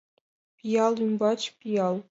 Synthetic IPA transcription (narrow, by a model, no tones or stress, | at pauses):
pʲijɑlˠymbɑt͡ɕpʲijɑlˠ